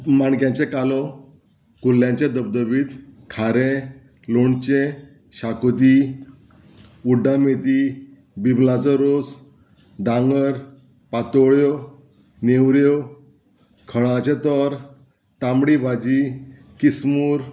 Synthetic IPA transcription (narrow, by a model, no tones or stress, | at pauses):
maɳkjãɲt͡ɕekalɔ | kulːjãɲt͡ɕed̪əb̚d̪əbiːt̪kʰaɾẽ | loɳt͡ɕẽ | ɕakod̪i | uɖamed̪i | biblat͡sɔɾod͡z | d̪ãŋɡəɾ | pat̪ɔɭjɔ | neʋɾjɔ | kʰəɭãt͡ɕet̪ɔɾ | t̪amɽibad͡ʑi | kismuːɾ